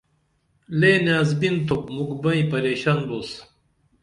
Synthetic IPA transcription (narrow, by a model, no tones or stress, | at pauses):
leːnaːzbint̪ʰop̚mukbɐ̃ĩpɐɾeːɕanbos